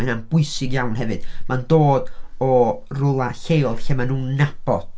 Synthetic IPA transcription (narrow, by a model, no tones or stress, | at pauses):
ananb̥ʊɨsɪɡjawnhɛvɨd̥mandoːdɔrʊlˠaɬeːlˠɬemanuːnnabɔ̥